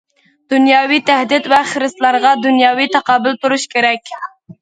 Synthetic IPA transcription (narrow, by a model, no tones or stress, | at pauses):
d̪̥unjɑːwit̪ʰæɦd̪ɪt̪vɛχəɾɨst̪lˠɑɾʁɑd̪unjɑːwit̪ʰɑqɑːbɨlt̪uɾuʃkʲʰeɾɛkʲ